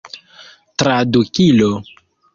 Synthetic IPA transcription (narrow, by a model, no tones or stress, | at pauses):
tɾadukilo